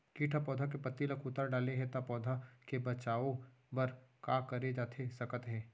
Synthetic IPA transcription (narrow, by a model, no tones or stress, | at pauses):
kiːʈʰapɔːd̪ʱak̬epət̪ːilɐkʊt̪əɾɖaːleɦɛt̪apɔːd̪ʱakebɐt͡ʃaːõ | bɐɾkaːkɐɾed͡ʒaːt̪ʰesɐkət̪ɦɛː